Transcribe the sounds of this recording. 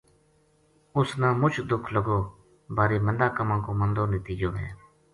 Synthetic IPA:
ʊsnãːmʊt͡ʃʰd̪ʊkʰləɡoː | baːɾeːmənd̪aːkəmãːkoːmənd̪oːnət̪iːd͡ʒõːɦḛ̃ː

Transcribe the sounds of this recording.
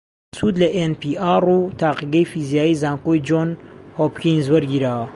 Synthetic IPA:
sud̪lɐʔenpiaːrut̪ʰaːqiɡɐjfizijaːjizaːŋkojd͡ʒonhopkiŋzwɐɾɡiɾaːwɐ

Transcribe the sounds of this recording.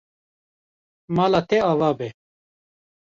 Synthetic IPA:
maːlaːt̪eaːwaːbe

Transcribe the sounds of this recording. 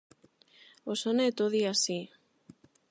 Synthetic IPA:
osonet̪oðiasi

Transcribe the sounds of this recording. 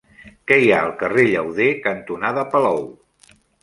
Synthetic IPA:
kɛjaəlˠkəreʎəwðekənt̪unaðəpəlɔw

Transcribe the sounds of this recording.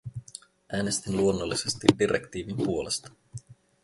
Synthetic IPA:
ʔæːne̞st̪inluo̞nːolːise̞st̪idiɾʔḛkt̪iːʋimpuo̞lest̪ɑ̥

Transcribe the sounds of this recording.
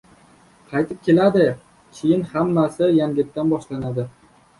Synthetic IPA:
qʰɑjt̪ʰɪp̚kʲʰe̞lad̪ɪ | kʲʰɪjɪnhamːasɪjaŋɡʲɪt̪̚t̪ːanbɒʃlanad̪ɪ

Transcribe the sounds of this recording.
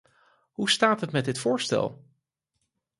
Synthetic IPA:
ɦustaːtɦətmɛtdɪtfʊːɹstɛ̰lˠ

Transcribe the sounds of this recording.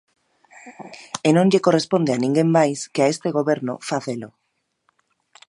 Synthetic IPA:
enõŋʎekorespond̪eanĩŋɡemmajskeaest̪eɣoβeɾnʊ̰faθelo

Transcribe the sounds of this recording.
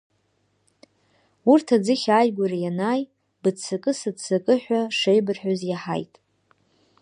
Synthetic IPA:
urtʰad͡zɨχʲajɡʷarajanaːj | bɨt͡sʰakʼɨsɨdt͡sʰakʼɨħᶣʷaʂejbɨrħᶣozjaħa̰jtʼ

